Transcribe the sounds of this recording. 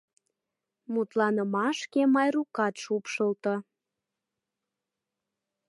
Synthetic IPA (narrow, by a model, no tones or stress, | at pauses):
mut̪lɑnəmɑʃkemɑjrukɑt̪ʃupʃəlt̪ɤ̆